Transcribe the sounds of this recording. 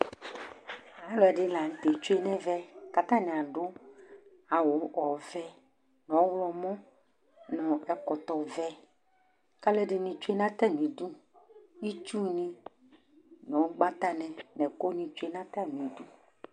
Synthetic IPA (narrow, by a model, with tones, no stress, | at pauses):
a˨˦lɔ˦ɛ˨ɖɪ˦la˨ŋ̩˨t̪e˨t͡ʃu˦e˦nɛ̃˦vɛ˦ka˨t̪ã˦nɛ̃˨a˨ɖʊ˦ | a˨wʊ˨ɔ˨vɛ˦ | nɔ̃˨˦wlɔ˨mɔ̃˦ | nɔ̃˨ɛ˨kɔ˨t̪ɔ˨vɛ˦ | ka˦lɛ˦ɖɪ˨nĩ˨t͡ʃu˦e˦nã˦t̪a˦˨nĩ˨du˦ | i˦t͡ʃu˦nĩ˦ | nɔ̃˨˦ɡ͡ba˦t̪a˦nɛ̃˨nɛ̃˨ko˦nĩ˨t͡ʃe˦nã˦t̪a˦˨nĩ˨du˦